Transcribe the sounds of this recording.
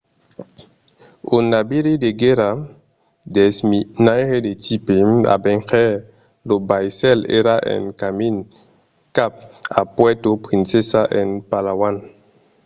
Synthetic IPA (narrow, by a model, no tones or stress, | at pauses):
onabiɾideɡeɾa | dɛsminajhedetipema̰bɛŋxɛ | lobajsɛlḛɾaʔɛ̰nkamin | kap̚apwɛtopɾĩnsesaʔɛnpalawan